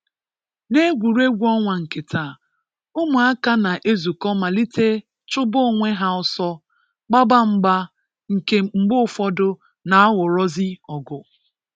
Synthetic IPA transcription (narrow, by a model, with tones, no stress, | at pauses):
ne˦ɡʷu˨ɾe˦ɡʷu˦ɔ˦ŋʷa˨ŋ̩˨ke˨tʰa˨ | ʊ˦mʊ˨a˦ka˦na˨ʔe˦zu˨kɔ˦ma˨li˦te˦ | t͡ʃʊ˦bʊ˦˨ŋʷe˦ɦa˦ɔ˨sɔ˦ | k͡pa˦ba˦m̩˦ɡ͡ba˦ | ŋ̩˨ke˦m̩˨ɡ͡bʊ˦˨fɔ˦dʊ˦ | na˨a˦wʊ˨ɾɔ˦zi˦ɔ˨ɡʊ˨